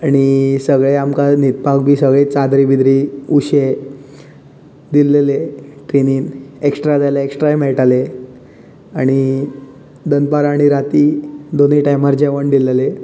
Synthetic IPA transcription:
aɽ̃isəɡɭeamkanit̪̚pak̚bʱiːsəɡɭet͡sad̪ɾibid̪ɾiuɕe | d̪ileleʈɾeniːneksʈɾad͡zajlaeksʈɾajmeɭʈale | aɽ̃i | d̪ənpaɾaɽ̃iɾat̪iːd̪oniʈajmaɾd͡ʑeʋəɳd̪ilele

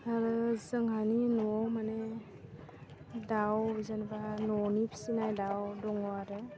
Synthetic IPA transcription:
aɾɯzɯŋɦaninɔmanɛ | dawbizanbanɔnipʰi̥sinajdawdɔŋɔaɾe

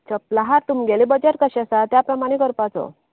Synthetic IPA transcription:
t͡ɕəplaɦaɾt̪umɡelibəd͡ʑeɾkəɕasat̪japɾəmaɽ̃ekəɾpat͡sɔ̰

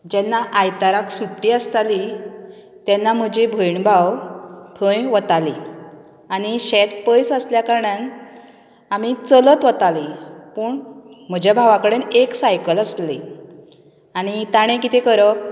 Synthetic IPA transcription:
d͡ʑɛnːaʔajt̪aɾaksuʈːiəst̪ali | t̪jɛnːam̤əd͡ʑibʱəjɳbʱawt̪ʰə̃jʋət̪ali | añiɕɛt̪̚pəjsəsljakaɾɳjan | amit͡sələt̪ʋət̪alipəːɳm̤əd͡ʑjabʱaʋakəɽeneksajkələsli | aɽ̃it̪aɽ̃ẽkit̪ʰekəɾəp̚

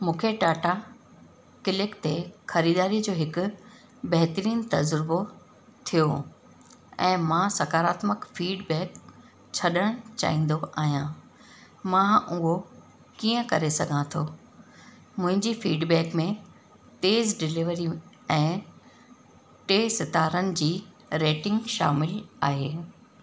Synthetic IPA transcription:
mũːkʰeʈaːʈa | kɪlɪkt̪exɐɾiːd̪aːɾiəd͡ʑoːɦɪkʊ̆ | bɐɦɪt̪əɾiːnt̪ɐzɾɪbo | t̪ʰijo | ɛ̰̃ːmãsɐkaːɾaːt̪məkfiːɖbɛːk | t͡ɕʰɐɗəɽ̃t͡ɕa̰ːɦĩːn̆d̪oʔaːɦijãː | mãːʊɦo | kiːə̃kɐɾesɐɡʱãt̪ʰoː | mʊ̃ɦɪ̃ɲd͡ʑifiːɖbɛːkmẽ | t̪eːzɖɪlɪʋəɾi | ɛ̃ː | ʈeːsɪt̪aːɾənɪ̆d͡ʑiː | ɾeːʈɪ̃ŋɡʃa̰ːmɪlaːɦeː

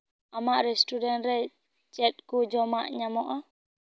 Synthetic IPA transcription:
ʔamːaɾɛstudɛnɾɛ | t͡ʃɛɗkod͡ʒɔma̰ʔɲamɔʔa

